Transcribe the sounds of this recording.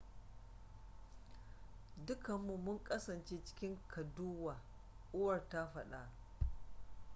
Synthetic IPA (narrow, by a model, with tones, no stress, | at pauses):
dʊ˦kɐ˨mːu˦mʊ˦ŋkʼɐ˦sɐ˨nt͡ʃeː˦t͡ʃɪ̥˦kʲɪ˦ŋkʰɐ˨duː˦waː˨ | ʔʊ˦wɐ˨rta˦ɸɐ˦ɗa̰˨ʔ